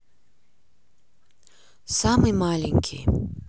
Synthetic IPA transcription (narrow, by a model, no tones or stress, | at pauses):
samɨmalʲenʲkʲʰḭ